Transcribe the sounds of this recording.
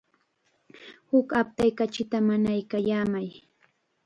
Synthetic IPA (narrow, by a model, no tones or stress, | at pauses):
hʊkap̚t̪ajkat͡ʃɪt̪amanajkajaːmaj